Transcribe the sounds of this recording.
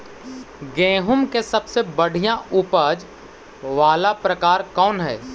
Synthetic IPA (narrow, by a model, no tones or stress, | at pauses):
ɡẽːɦʊmkesɐbsebɐɽ̤ijãʊpəd͡ʒ | ʋaːlapɾəkaːɾkɔːnɦɛː